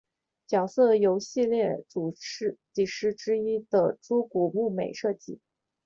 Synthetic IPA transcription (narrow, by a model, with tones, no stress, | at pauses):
t͡ɕjɑ˨˩ʊsɤ˥˩jo˧˥ʊɕi˥˧ljɛ˥˩ʈ͡ʂu˨˩˥t͡ɕi˥˨˩ʂɻ̩˥ʈ͡ʂɻ̩˥i˥d̪ə̰˨ʈ͡ʂu˥ku˨˩mu˥˩me˨˩ɪʂɤ˥˧t͡ɕi˥˩˦